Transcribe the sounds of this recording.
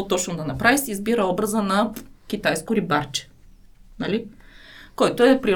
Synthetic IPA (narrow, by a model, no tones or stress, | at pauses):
ot̪ɔt͡ʃnʊd̪ɐnɐpɾavisiːzbiɾəɔbɾəzənɐkʲit̪ajskʊɾibaɾt͡ʃɛ̥nɐli | kɔjt̪oɛpɾi